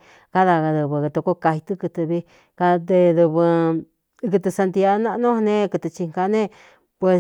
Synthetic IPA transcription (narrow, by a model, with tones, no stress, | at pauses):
ka˦ða˧ɣa˧ðɨ˧βɨ˧t̪o˧ko˧ka˧hi˧t̪ɨ˦kɨ˧t̪ɨ˧βi˧ | ka˧d̪e˧ðu˧βɨ˧ | kɨ˧t̪ɨ˧sa˧nd̪i˧a˧nã˦˧ʔnũ˦˧nẽ˦˧kɨ˧t̪ɨ˧t͡ʃi˧ŋka˧nẽ˦ | pwe˧